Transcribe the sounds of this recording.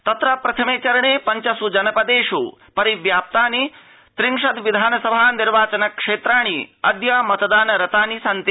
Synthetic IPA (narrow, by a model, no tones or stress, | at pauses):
t̪ɐt̪ɾɐpɾɐt̪ʰɐmeːt͡ʃɐɾɐɳeːpɐɲt͡ʃɐsud͡ʒɐnɐpɐd̪eːʂupɐɾiʋjaːp̚t̪aːni | t̪ɾiŋʂɐd̪ʋid̪ʱaːnɐsɐbʱaːniɾʋaːt͡ʃɐnɐkʂeːt̪ɾaːɳ̃iɐd̪jaːmɐt̪ɐd̪aːnɐɾɐt̪aːnisɐnt̪i